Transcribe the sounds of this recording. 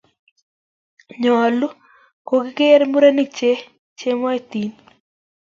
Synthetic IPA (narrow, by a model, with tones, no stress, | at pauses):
ɲɔ˨lu˦ | ko˨ɡi˦ke˦ɾmu˦ɾa˦ni˦˨k̚t͡ʃe˦ | t͡ʃe˦mɔ˦e˦t̪i˨n